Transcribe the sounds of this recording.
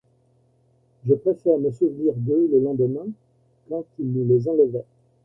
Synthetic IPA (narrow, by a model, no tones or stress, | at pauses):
ʒəpχefɛʁməsuvniʁd̪eləlɑ̃d̪əmɛ̃ | kɑ̃t̪ilnəlezɑ̃ləvɛ